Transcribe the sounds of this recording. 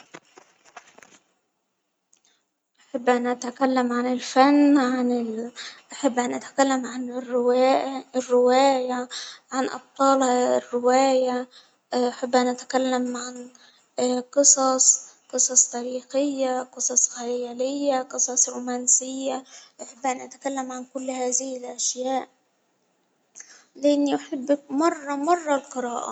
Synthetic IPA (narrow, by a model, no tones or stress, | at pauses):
ʔaħabːʔanʔat̪akalːamʕanɪlfanːʕanɪʔaħabːʔanʔat̪ḁkalːamʕanrːɪwarːɪwaːjaʕanʔɑ̰b̚t̪ˤɑːlhɑrːɪwaːja | ʔaħabːʔanʔat̪akalːamʕan | qɨsˤɑsˤqɨsˤɑsˤt̪æɾiːxɪjːaqɨsˤɑsˤxɪjjaːlɪjːaqɨsˤɑsˤɾuːmaːnsɪjːaʔʊħɪbːʔanʔat̪ḁkalːamʕankʊlːhaːðɪhɪlʔaʃjaːʔ | lɪʔɪnːiʔʊħɪbːk̚mɑrˤːɑmɑrˤːɑlqɨɾaːʔa̰